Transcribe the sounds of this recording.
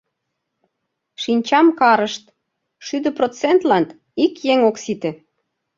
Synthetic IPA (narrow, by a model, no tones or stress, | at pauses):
ʃinʲt͡ɕɑmkɑɾəʃt̪ | ʃyd̪ə̆prot͡sent̪lɑnt̪ | ikjeŋoksit̪ĕ